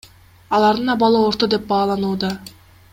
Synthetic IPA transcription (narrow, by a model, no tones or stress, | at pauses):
ɑlˠɑɾd̪ɯnɑbɑlˠɯoɾt̪od̪e̞p̚bɑːlˠɑnuːd̪ɑ